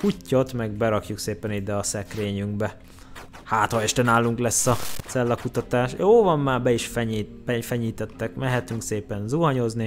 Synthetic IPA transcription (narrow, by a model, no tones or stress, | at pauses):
kucːo̞t̪mɛɡ̚bɛɾɒkjukseːpɛnid̪ɛɒsɛkreːɲyŋɡ̚bɛ | haːt̪hɒɛʃt̪ɛnaːlːuŋklɛsːɒz̥ɛlːɒkut̪ɒt̪aːʃjoːvɒmːaːrbɛiʃfɛɲ | ɛfɛɲiːt̪ɛt̪ːɛkmɛɦɛt̪yŋkseːpɛnzuɦɒɲo̞zni